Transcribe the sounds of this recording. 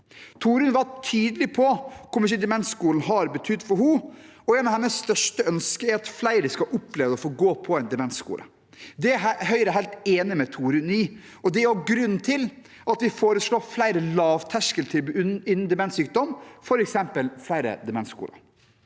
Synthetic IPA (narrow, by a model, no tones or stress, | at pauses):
t̪ʰuːɾʉnʋɑʈʰyːd̪əlɪpʰɔkʰɔmɪʂ̬ɪd̪ɛmɛnt̪skuːln̩ɦɑɾbət̪ʰʏd̪ːfɔɾɦu | ɔɛnɑʋhɛnːəsst̪œʂʈəœnskəɛɾɑt̪flæɪɾəskɑʔʊpleːʋəɔfoːɡoːpʰɔɛnd̪ɛmɛnt̪skṵːlə̰ | d̪ɛæɦhœʏɾəɦæɪlt̪eːnɪmɛt̪ʰuːɾʉniː | ɔd̪ɛɑɡɾʉnːt̪ʰɪl | ʔɑt̪ʋɪfoːɾəsɭoːflæɪɾəlɑːʋt̪ʰæʂkəlt̪ʰɪlɪnːn̩d̪ɛmɛnsyːk̚d̪ɔmfɔɾɛksɛmpəlflæɪɾə̰d̪ɛmɛnskṵːlə̰